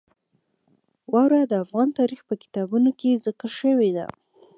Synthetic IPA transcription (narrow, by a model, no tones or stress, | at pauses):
wɑwɾad̪əafɣɑnt̪ɑɾixpəkɪ̥t̪ɑbunokezəkəʃəwed̪a̰